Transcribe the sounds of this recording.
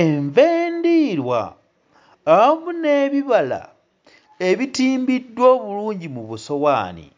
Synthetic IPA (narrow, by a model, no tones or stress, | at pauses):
eɱveːndiɾwa̰ː | amune̞βiβala̰ | e̞βitiːmbidːwo̞ːβuluːɲɟimuβuso̞waːnḭ